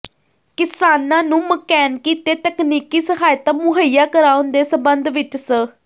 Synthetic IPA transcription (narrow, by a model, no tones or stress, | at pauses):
kɪsaːnãːnũːməkɛːnkiːt̪eːt̪əkniːkiːsəɦaːjt̪aːmʊɦəijaːkəɾaːʊnd̪eːsəbənd̪ʋɪt͡ʃsə